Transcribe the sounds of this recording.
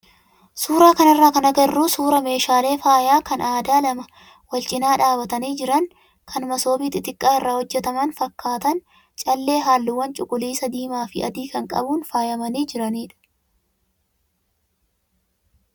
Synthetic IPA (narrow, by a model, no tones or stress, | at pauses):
suːɾaːkɐnɐrːaːkɐnɐɡɐrːuːsuːɾɐme̞ːʃaːle̞ːfaːjaːkɐnaːd̪aːlɐmɐ | wɐlt͡ʃʼɪnaːᶑaːbɐt̪ɐniːd͡ʒɪɾɐn | kʰɐnmɐso̞ːbiːt̪ɪt̪ɪkʼːaːɪrːaːhɔd͡ʒːɛt̪ɐmɐnfɐkːaːt̪ɐn | t͡ʃʼɐlːe̞ːɦaːlːɪwːɐnt͡ʃʼʊkʼʊliːsɐd̪iːmaːfɪʔɐ̰d̪iːkɐŋkʼɐ̰buːnfaːjɐmɐniːd͡ʒɪɾɐniːᶑɐ̥